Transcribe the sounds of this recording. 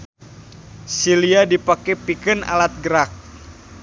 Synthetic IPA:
siliadipakɛpikəna̰lat̪̚ɡəɾak̚

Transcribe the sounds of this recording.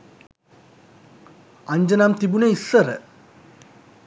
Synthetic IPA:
aɲd͡ʒənamt̪ibuneisːəɾə̰

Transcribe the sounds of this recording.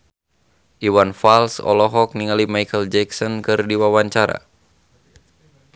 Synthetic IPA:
ʔiwanfalsɔ̰lɔɦɔk̚niŋalimajkəld͡ʒɛksɔnkɨrdiwawaɲt͡ʃaɾa̰

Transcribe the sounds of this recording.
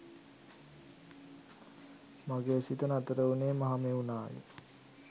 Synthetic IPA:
maɡeːsit̪ənat̪əɾəuneːmaɦameunaːjə̰

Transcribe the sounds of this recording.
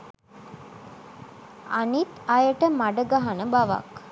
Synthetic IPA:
anit̪ɐjəʈəmaɖəɡaɦanəbaʋa̰k

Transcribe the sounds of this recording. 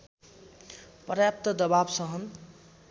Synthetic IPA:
prjap̚t̪ʌd̪ʌbabsʌɦʌn

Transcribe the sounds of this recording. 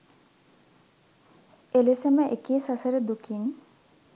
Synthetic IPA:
elesəməʔekiːsasəɾəd̪ukʰin

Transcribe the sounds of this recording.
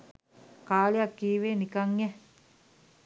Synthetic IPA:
kaːliakːiːʋeːnikaŋɛ

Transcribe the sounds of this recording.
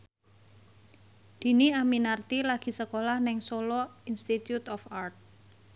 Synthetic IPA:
d̪̥i̤niaminart̪ilaɡ̥i̤səkolahnɪŋsolɔinst̪it̪jut̪ɔfart̪̚

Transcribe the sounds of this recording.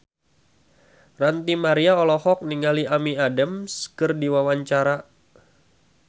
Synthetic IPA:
rant̪imaɾiaɔlɔhɔk̚niŋaliʔamiadamskɨrdiwawaɲt͡ʃaɾa

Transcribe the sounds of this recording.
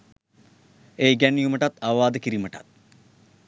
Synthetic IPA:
eːɡænijuməʈɐt̪ɐʋʋaːd̪əkiɾiməʈɐt̪̚

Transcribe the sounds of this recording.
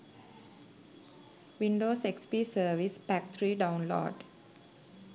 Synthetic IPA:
ʋiɳɖoːsekspiːsəʋispæk̚t̪ʰɾiːɖãʊ̃nlɔ̰ːɖ

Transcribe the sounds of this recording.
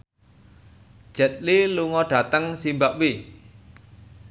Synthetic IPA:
ʒ̥ɛ̤t̪̚liluŋɔɖ̥a̤t̪əŋsimbaʔwi

